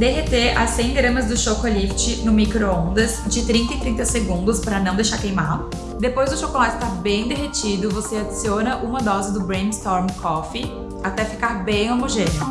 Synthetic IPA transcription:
d̪eɦet̪eɐsẽj̃ɡɾɐ̃mɐzd̪ʊʃokolift͡ʃɪnʊmikɾoõnd̪ɐsd͡ʒɪt̪ɾĩnt̪ɐit̪ɾĩnt̪ɐseɡũnd̪ʊspɾɐnɐ̃w̃d̪ejʃaɾkejmalʊ | d̪epojzd̪ʊʃokolat͡ʃʊst̪aɾbẽj̃d̪eɦet͡ʃid̪ʊvosead͡ʒisionɐʔũmɐd̪ɔzɪd̪ʊbɾẽd͡ʒɪst̪ɔɾmkʰɔfɪ | at̪ɛfi̥kaɾbẽj̃omoʒẽnjʊ

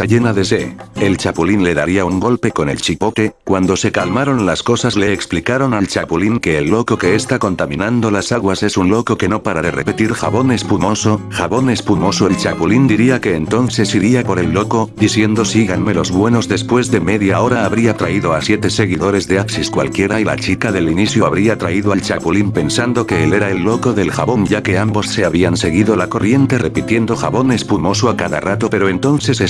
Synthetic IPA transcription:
aʝe̞naðe̞seelt͡ʃapulinle̞ðaɾiauŋɡo̞lpe̞ko̞ne̞̰lt͡ʃipo̞ke̞kwand̪o̞se̞kalmaɾo̞nlasko̞sazle̞ːksplikaɾo̞nalt͡ʃapuliŋke̞ːlːo̞ko̞ke̞est̪ako̞nt̪amĩnand̪o̞lasaɣwase̞sunlo̞ko̞ke̞no̞paɾaðe̞repet̪iɾxaβo̞nespumo̞so̞xaβo̞ne̞spumo̞soelt͡ʃapulind̪iɾiake̞ːnt̪o̞nθe̞siɾiapo̞ɾe̞lːo̞ko̞d̪iθje̞nd̪o̞siɣanme̞lo̞zβwe̞no̞zðe̞spwe̞zðe̞me̞ðjao̞ɾaːβɾiat̪ɾaiðoasje̞t̪e̞se̞ɣiðo̞ɾe̞zðe̞aksiskwa̰lkje̞ɾaila̰t͡ʃikaðe̞liniθjo̞aβɾiat̪ɾaiðoalt͡ʃaβulimpe̞nsand̪o̞ke̞ele̞ɾaelːo̞ko̞ðe̞lxaβo̞nɟ͡ʝake̞ambo̞sse̞aβɾianse̞ɣiðo̞lako̞rje̞nt̪e̞re̞pit̪je̞nd̪o̞xaβo̞ne̞spumo̞soakaða̰rat̪o̞pe̞ɾo̞e̞nt̪o̞nθe̞se

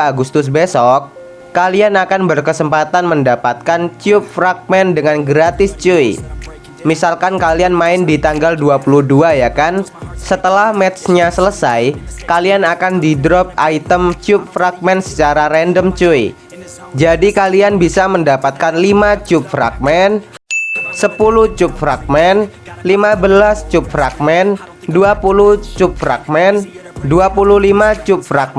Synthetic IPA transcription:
aɡust̪ʊs̬besɔkː | alianakanbərkəsəmpat̪anməndapat̪̚kant͡ʃʊp̚fɾak̚mɛndəŋanɡɾat̪ɪst͡ʃui | misalkankalianmaɪndit̪aŋɡalduapuluhduajakansət̪əlahmɛt̪sɲasələsajkalianakandidɾɔp̚ait̪əmt͡ʃʊp̚fɾak̚mɛnsə̥t͡ʃaɾaɾɛndəmt͡ʃui | d͡ʒadikalianbisaməndapat̪̚kanlimat͡ʃup̚fɾa̰k̚mɛn | səpuluht͡ʃʊp̚fɾak̚mɛn | limabəlast͡ʃʊp̚fɾa̰k̚mɛn | duapuluht͡ʃʊp̚fɾa̰k̚mɛnduapululimat͡ʃʊp̚fɾak̚ɛ

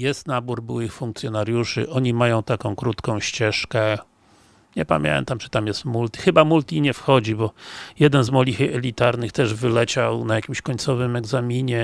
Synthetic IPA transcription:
jɛst̪nabuɾbuwɘxfuŋk̚t̪sʲjɔnaɾjuʂɘ̰ʔɔɲimajɔ̃w̃t̪akɔ̃w̃kɾut̪kɔ̃w̃ɕt͡ɕɛʂkɛ | ɲɛpa̰mʲjɛ̰nt̪amt͡ʂɨ̥t̪amjɛst̪mult̪ixɘbamult̪iɲɛfxɔd͡ʑibɔjɛd̪ɛnzmɔlixɛlʲit̪aɾnɘxt̪ɛʐvɘlɛt͡ɕawnajakʲimɕkɔɲt̪sɔvɘmɛɡzamʲiɲɛ

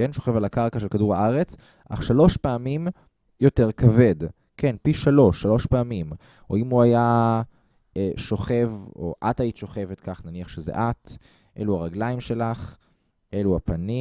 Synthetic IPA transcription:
kenʃo̞χevalakaʁkaʃelkaduʁhaaʁe̞t͡s | ʔa̰χʃalo̞ʃpeamim | jo̞te̞ʁkave̞d | ke̞npiʃalo̞ʃːalo̞ʃpeamim | oimuaja | eʃo̞χe̞vo̞̰ʔatajitʃo̞χe̞vetkaχnaniaχʃezḛʔat | ʔe̞̰luaʁaɡlaimʃe̞laχ | ʔe̞luapani

